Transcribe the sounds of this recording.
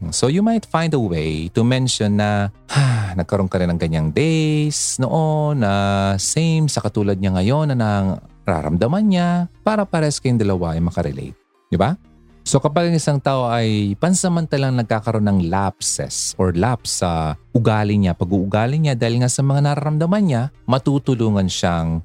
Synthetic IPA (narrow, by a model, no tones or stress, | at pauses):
so̞jumajt̪fãjnd̪ɐwejt̪ʊmɛnʃonːɐhanɐɡ̚kːɐɾo̞nkɐɾɪnɐŋkɐɲaŋd̪esnoʔonɐsejmsɐkɐt̪uːlɐd̪̚ɲaŋɐjo̞nːɐnɐɾa̰ːɾɐ̰md̪ɐmɐnɲapaːɾɐpɐɾɛskɐjʊŋd̪ɐlɐwaʔɐjmɐkɐɾɛ̰lḛjt̪̚ | d̪ɪba | so̞kɐpaɡɐŋʔɪsaŋt̪aːʔo̞ʔɐjpɐnsɐmɐnt̪alaŋnɐɡ̚kaːkɐɾo̞nːɐŋlapsɛ̰sʔoɹlapsːɐʔʊɡaːlɪɲapɐɡuːʔʊɡaːlɪɲad̪aːhɪlŋasɐmɐŋanaɾaɾɐmd̪ɐmanɲamɐt̪uːt̪ʊluːŋɐnʃaŋ